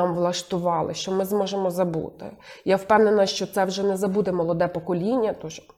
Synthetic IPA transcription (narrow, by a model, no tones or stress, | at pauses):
mʋlˠɐʃt̪ʊʋɑlˠɪ̰ʃt͡ʃɔmɪzmɔʒemɔzɐbṵt̪ɪ̰jawpɛwnenɐʃt͡ʃɔt̪sɛwʒɛnɛzɐbud̪ɛmɔlˠɔd̪ɛpɔkɔlʲinʲːɐt̪ɔʒ